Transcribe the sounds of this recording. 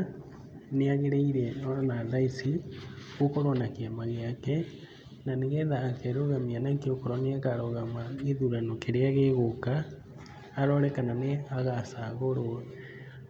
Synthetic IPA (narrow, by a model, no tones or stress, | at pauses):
neaɣeɾeiɾɛɔnaðaisiɣokoɾonakeamaɣeakɛ | naneɣɛðaːkɛɾoɣamianaŋkeokoɾɔneakaɾɔɣamaeðuɾanokeɾeaɣeɣokaː | ɾɔɾɛkananeaɣasaɣoɾo